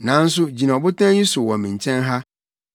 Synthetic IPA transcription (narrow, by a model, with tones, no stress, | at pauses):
nã˨˦n̩˦s̬ʊ˦d͡ʑi˨nã˨ɔ˨bʊ˦tʰã˦ji˦su˨wɔ˨mĩ˨ɲ˨t͡ɕʰɛ̃˦nɦa˦